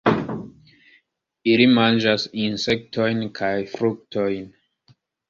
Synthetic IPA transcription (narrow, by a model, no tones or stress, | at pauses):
ilimand͡ʒasinse̞k̚tʰojnkʰajfɾuk̚tʰojn